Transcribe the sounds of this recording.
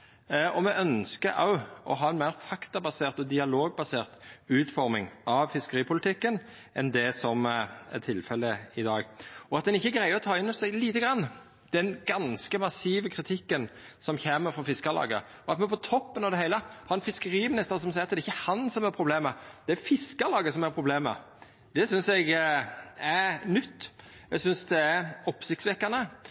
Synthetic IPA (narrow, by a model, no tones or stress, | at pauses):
ʔɔmɛʔœnskəʔɑ̰ʊɔ̰ɦɑːɛnmæɪɾfɑkt̪ɑbɑseːʁt̪ɔd̪ɪɑloːɡ̚bɑseːʁt̪ʉːt̪fɔɾmɪŋʔɑʋfɪskəɾiːpʰʊlɪt̪ʰɪkːən | ʔɛ̰nd̪ɛsɔmæ̰t̪ʰɪlfɛləɪd̪ɑːɡɔɑt̪̚d̪ɛnɪçːəɡɾæɪəɔt̪ʰɑːɪnːɔsæɪɡliːt̪əɡɾɑnː | d̪̥ɛnɡɑnskəmɑsiːʋəkʰɾɪt̪ʰɪkːənsɔmçeːməɾfɔfɪskɑlɑ̰ːɡə̰ | ɔɑt̪mɛnpʰɔt̪ʰɔpːənɑd̪ɛhæɪləhɑɛnfɪskəɾiːmɪnɪst̪əɾsɔmsæɪɾɑt̪̚d̪ɛɾɪçːəhɑnsɔmæɾpʰɾʊbleːməd̪̥ɛæɾfɪskɑlɑːɡəsɔmæɾpʰɾʊbleːmə̰ | d̪̥ɛsʏnsɛɡ | æɾnʏt̪ː | ɛɡsʏnsd̪ɛæɾɔpːsɪçt̪sʋɛkːɑnə